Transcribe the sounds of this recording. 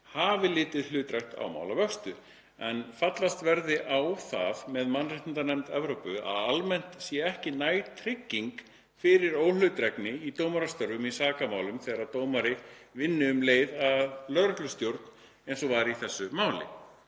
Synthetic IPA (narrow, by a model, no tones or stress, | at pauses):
haːvɪlɪːt̪ɪðlʏːt̪ɾɛht̪a̰wma̰wlavœkst̪ʏ | ɛnfat̪last̪vɛɾðɪʔawθa̰ðmɛðmanːrɪht̪ɪnt̪anɛmt̪ɛvɾowpʏa̰ðalmɛn̥t̪sjɛɛhcɪnaːjt̪ʰɾɪcːiŋk | fɪɾɪɾoːwl̥ʏːt̪ɾɛknɪit̪owmaɾast̪œɾɣʏmisaːkamaːwlʏmθɛːɣaɾaðt̪oːwmaɾɪvɪnːɪʏmleːjðaðlœðɾœhklʏst̪jowɾt̪n̥ | ejnsɔvaɾiθɛsːʏmaːwlɪ̰